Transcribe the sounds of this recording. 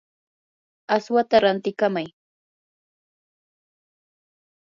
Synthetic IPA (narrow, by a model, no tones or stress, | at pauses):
aswat̪aɾant̪ɪkamaj